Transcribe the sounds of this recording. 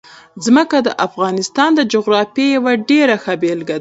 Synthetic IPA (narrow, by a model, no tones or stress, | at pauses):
zməkad̪əʔafɣɑnɪst̪ɑnd̪əd͡ʒoɣɾɑfjejawaɖeɾaxabelɡad̪a